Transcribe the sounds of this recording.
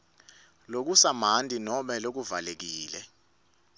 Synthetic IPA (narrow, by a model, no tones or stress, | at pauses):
lok̬usam̤antʼinɔmɛlok̬uvalek̬iːlɛ